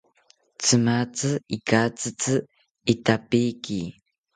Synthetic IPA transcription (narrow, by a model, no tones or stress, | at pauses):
t͡sɨmat͡sɨikat͡sɨt͡sɨ | it̪apiki